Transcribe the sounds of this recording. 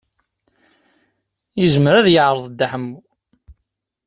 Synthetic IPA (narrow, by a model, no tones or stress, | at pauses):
jəzməɾæðjəʕɾˤəðˤd̪ːaħəmːu